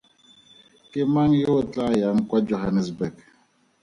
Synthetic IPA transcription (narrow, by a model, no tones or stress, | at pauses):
kemaŋjoot͡ɬajaŋkwad͡ʒoɦanɛsbɛk